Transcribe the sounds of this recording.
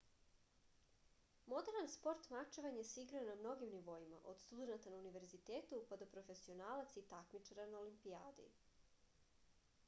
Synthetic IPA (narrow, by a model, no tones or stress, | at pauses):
mo̞d̪e̞ɾnanspo̞ɾt̪mat͡ʃeʋaɲjesiɡɾaonamno̞ɡimniʋo̞ima̰ʔo̞d̪st̪ud̪e̞nat̪anauniʋe̞ɾzit̪eːt̪upad̪opɾo̞fe̞sio̞naːlat̪sit̪akmit͡ʂaɾanaolimpiaːd̪ḭ